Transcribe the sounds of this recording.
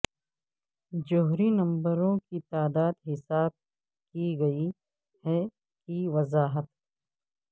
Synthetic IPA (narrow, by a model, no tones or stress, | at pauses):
d͡ʒoɦɾinɐ̃mbəɾõkit̪aːd̪aːd̪ɦɪsaːb̚ | kiɡɐi | hɛ | kiʋɐzaːɦət̪